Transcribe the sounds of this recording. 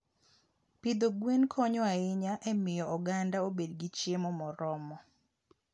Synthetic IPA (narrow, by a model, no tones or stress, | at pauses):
pid̪oɡwenkʰɔɲɔaɪɲaʔɛmɪjɔɔɡandaobedɡit͡ʃemɔmɔɾɔmɔ